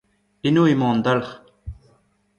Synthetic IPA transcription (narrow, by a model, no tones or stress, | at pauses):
inuːimoːnd̪alχ